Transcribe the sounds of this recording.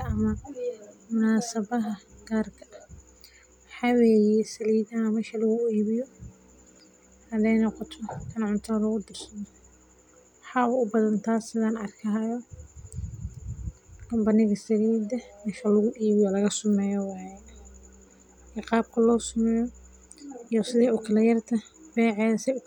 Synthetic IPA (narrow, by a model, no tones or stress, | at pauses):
ɐɐmɐ | mʊnaːsɐβɐɦɐɡ̥aːrkʰɐ | ħɑːwɛːjɛsɐliːðɐhɐmɛːʃɐlɐɣʊiːβɪjɔ | hɐðɛjnɔqɔt̪ʰɔkʰɐnʕʊnt̪ʰɐlɐɣʊd̪ɐrsɐnɔ | wħɑːʊʊbɐðɐnt̪ʰaːsɪðaːnɐrkʰɐɦɐjɔ | kɐmbɐnɪɣɐsɐliːd̪ɐmɛːʃɐlɐɣʊʔiːβɪjɔlɐɣɐsʊmɛːjɔwɑːjɛ | ɛqɑːb̚kʰɐlɔːsʊmɛːjɔ | ijɔsɪðɛʊkʰɐlɐjɐrt̪ʰɐbɛːʕɛːðɐsɛʊk